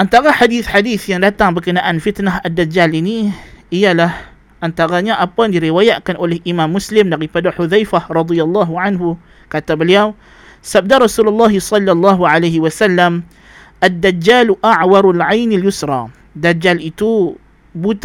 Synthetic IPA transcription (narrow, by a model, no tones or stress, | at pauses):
ʔant̪aɣaħad̪iːθħad̪iːθjandat̪ːaŋbɪkɪnaʔanfɪt̪naɦʔad̪ːad͡ʒːaːlʔɪniʔɪjalah | ʔant̪aɣaɲaʔabːaniɾɪwaːjaːʔkanʔulihʔɪmaːmːʊslɪmnaɣifad̪aħʊðajfaɾˤɑd̪ˤɨjalˤːɑːɦʕanɦʊ | kat̪abaljaːm | sab̚d̪aɾˤɑsuːlɑlˤːɑːɦsˤɑlːɑlˤːɑːɦʕalajhɪwasalːam | ʔad̪ːad͡ʒːaːlʔaʕwɑɾˤalʕajnaljʊsɾˤɑː | d̪ad͡ʒːalʔit̪u | but̪